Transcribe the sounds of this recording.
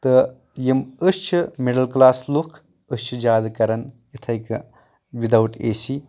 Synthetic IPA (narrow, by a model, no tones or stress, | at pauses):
t̪ɨ | jiməst͡ʃʰimeɽɐlklaːslukʰ | əst͡ʃʰid͡ʒaːd̪kɐɾɐnjit̪ʰɐjk | ʋid̪ɐwʈḛːsi